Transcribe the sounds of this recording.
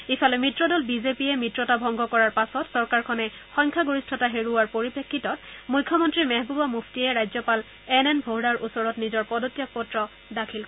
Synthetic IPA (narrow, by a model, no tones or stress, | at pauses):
ifalɛmitɹɔdɔlbizepiɛmitɹɔtabʱɔŋɡɔkɔɹaɹpasɔtsɔɹkaɹkʰɔnɛxɔjŋkʰaɡoɹistʰɔtaɦeɹuwaɹpoɹipekʰːitɔtmujkʰːɔmɔntɹimɛɦbubamuftiɛɹajzɔpal | ɛnɛnbʱoɦdaɹʔusɔɹɔtnizɔɹpɔdotijɔk̚pɔtɹɔ | dakʰilk